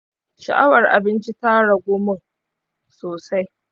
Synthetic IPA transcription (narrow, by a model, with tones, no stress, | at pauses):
ʃa˨ʔa˦wɐ˨rʔa̰˨bɪ˦nt͡ʃi˦taː˦ɽa˨ɡʷʊ˦mʊ˦˨ŋ | soː˨sa˦j